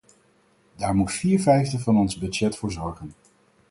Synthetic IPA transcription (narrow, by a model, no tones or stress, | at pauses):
daːɹmutfiːɹvɛjvdəvɑnɔnzbød͡ʒɛtfʊːɹzɔɹχən